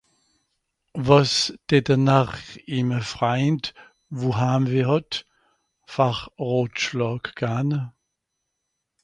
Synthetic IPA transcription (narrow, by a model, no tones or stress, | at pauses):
vɔsd̥ɛdənaχiməfʁaɪnt | vuɦaːmviːhɔt | faχʁoːtʃlɔːkɡ̥aːnə